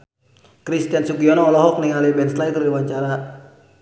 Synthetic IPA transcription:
kɾist̪ijansukiɔnɔːlɔɦɔk̚niŋalibɛnslajkəɾiwaɲt͡ʃaɾa

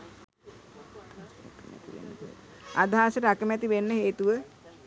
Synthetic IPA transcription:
k̪əmæ̰t̪iʋḛnːə̰t̪ḛad̪ʱaːsəʈəakəmæt̪iʋenːəɦeːt̪uʋə

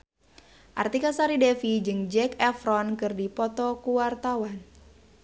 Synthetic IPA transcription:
ʔart̪ikasaɾidɛfid͡ʒɨŋd͡ʒɛkɛfɾɔnkɨrdipɔt̪ɔkuwart̪awan

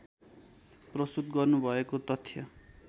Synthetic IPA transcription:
prʌst̪ut̪ɡʌrnubʱʌekot̪ʌt̪ʰːjʌ

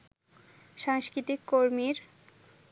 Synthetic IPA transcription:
ʃaŋskɾit̪ikːoɾmiɾ

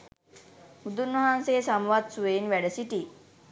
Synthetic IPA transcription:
ud̪unːɐɦanseːsamʋad̪suʋenʋɛɽəsiʈi

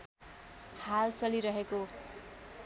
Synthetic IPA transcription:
halt͡sʌliɾʌɦeko

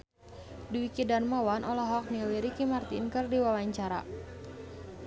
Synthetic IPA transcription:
duwikidanmawanʔɔlɔɦɔk̚niliɾikimart̪ḭnkɨrdiwawaɲt͡ʃaɾa̰

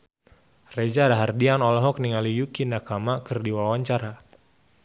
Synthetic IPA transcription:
red͡ʒadaɦardianɔlɔɦɔk̚niŋalijukinakamakɨrdiwawaɲt͡ʃaɾa

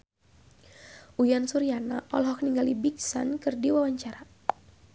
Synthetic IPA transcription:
ʔujansuɾijanaʔɔ̰lɦɔk̚niŋɡalibiksa̰nkɨrdiwawaɲt͡ʃaɾa

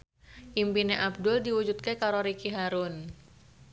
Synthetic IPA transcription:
ʔimpineʔab̚dʊldiwud͡ʒut̪̚kekaɾoɾikiɦaɾʊn

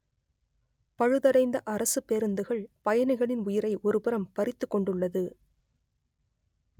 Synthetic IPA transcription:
pɐɻɯðɐɽɐɪnd̪ɐʔɐɾɐsɯpːeɾɯnd̪ɯɣɐɭpɐjɐnɐɣɐɭɪnʊjɪɾɐɪʔɔɾɯpɪɾɐmpɐɾɪt̪ːɯkːɔɳɖɯɭːɐðɯ

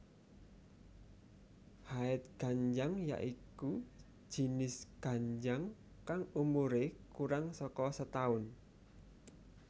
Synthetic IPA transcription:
haɪt̪̚ɡ̥a̤ɲd͡ʒaŋja̰ʔiku̥ | d͡ʒ̥i̤nɪsɡ̥a̤ɲd͡ʒaŋ | kaŋumuɾekuɾaŋsɔkɔsət̪aʊn

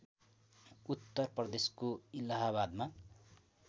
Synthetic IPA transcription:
ut̪ːʌrprʌd̪eskoilaɦaβad̪ma

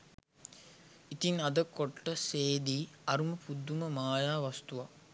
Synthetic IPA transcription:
it̪inad̪əkoʈːəseːd̪iːɐɾuməpud̪ːuməmaːjaːʋast̪uʋa

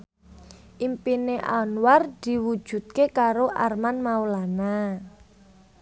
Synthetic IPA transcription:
ʔimpineʔa̰nward̪̥i̤wud̥ʒ̥ṳt̪̚kekaɾoʔarmanmaulana

